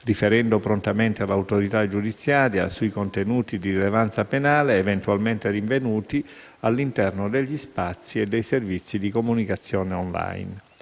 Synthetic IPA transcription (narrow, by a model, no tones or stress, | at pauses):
rifeɾɛnd̪opɾont̪ament̪ealːawt̪oɾit̪ad͡ʒud̪it̪sːjaːɾja̰suikont̪enuːt̪id̪iɾilevant̪sapenaːleːvent̪ualment̪eɾiɱvenuːt̪i | alːint̪ɛrnod̪eʎːispat̪sːied̪ːejservit̪sːid̪ikomunikat̪sːjɔːneɔnla̰jn